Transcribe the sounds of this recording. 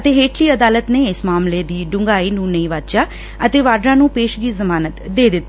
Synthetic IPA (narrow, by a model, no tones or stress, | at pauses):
ət̪eːɦeːʈʰliːəd̪aːlət̪neːɪsmaːmleːd̪iːɖʊŋɡaːiːnũːnəĩːʋat̪t͡ʃaː | ət̪eːʋaːɖɾãːnũːpeːʃɡiːzəmaːnət̪d̪eːd̪ɪt̪ː